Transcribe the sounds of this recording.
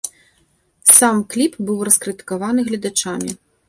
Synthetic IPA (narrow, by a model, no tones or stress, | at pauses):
samklʲipbɨwrɐskɾɨt̪ɨ̥kavanɨɣlʲɐd̪at͡ʂamʲi